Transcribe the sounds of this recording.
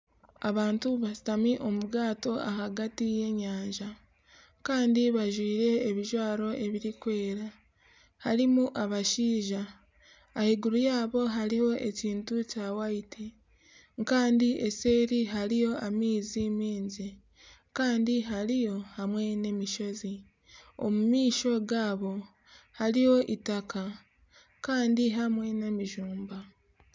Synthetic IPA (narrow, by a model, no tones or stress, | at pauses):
aβaːntuβasi̥tamiʔo̞muɡaːto̞a̰haɡatije̞ɲaːɲʒa | kaːndiβaʒwiːɾe̞ːβiʒwaːɾo̞ʔe̞βiɾikwe̞ːɾa | haɾimuʔaβaʃiːʒaː | hiɡuɾujaːβo̞ɦaɾiho̞ʔe̞ciːntucawaiti | ŋkaːndiʔeseːɾiɦaɾijo̞amiːzimiːnzi | kaːndiɦaɾijo̞hamwe̞ne̞miʃo̞zi | o̰mumiːʃo̞ɡaːβo̞ | haɾiho̞ʔitaka | kaːndiɦamwe̞ne̞miʒuːmba